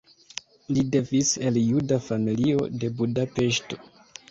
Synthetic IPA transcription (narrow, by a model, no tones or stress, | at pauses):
lide̞vise̞ljudafamilio̞̰de̞budape̞ʃto̞̥